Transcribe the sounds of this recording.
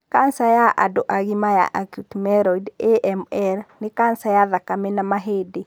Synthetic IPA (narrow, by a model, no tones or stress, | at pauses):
kansajaʔa̰doʔaɣimaja̰ʔakjutmɛɾɔideʔɛmɛɾnekansajaðakamenamaɦede